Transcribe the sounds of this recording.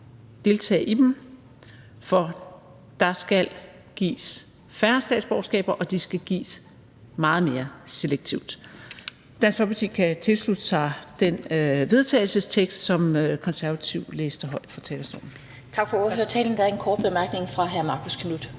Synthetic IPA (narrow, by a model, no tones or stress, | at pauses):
d̥e̝lt͡sʰɛ̰ːɪʔid̥em | fɒ | d̥ɑ̈sɡ̥æl | ɡ̥ḭːs | fæɐsd̥ɛ̰ːdsb̥ɒʊsɡ̥ɛ̰ːb̥ɐʔɒ̽d̥isɡ̥æɡ̥ḭːs | mɑ̈ːð̞̩ˠme̝ːɐse̝leɡ̥̚t͡sʰiʊ̰d̥ | d̥æn̰sɡ̥fɒpʰɑt͡sʰḭɡkʰæt͡sʰe̝lslud̥əsɑ̈d̥enʋe̝ð̞ˠt͡sʰɛ̰ːɪlsəst͡sʰeɡ̥sd̥sɒ̽møkʰɒ̽nsæɐʋæt͡sʰiʊ̰leːsd̥əɦɒ̽ɪ̰d̥fɒ̽t͡sʰɛːlɐsd̥ɒ̰ːn̩ | t͡sʰɑ̈ɡ̥fɒoɐfø̰ːɐt͡sʰɛ̰ːln̩d̥ɑæɐenkʰɒːd̥̚b̥emæɐɡ̥ne̝ŋfʁɑ̈ɦæɐmɑ̈ːkʰoskʰnud̥